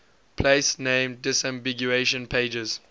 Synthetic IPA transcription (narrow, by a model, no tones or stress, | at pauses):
pʰleɪsnẽːmdɪsãmbiɡjueʃə̃npʰeɪd͡ʒəz̥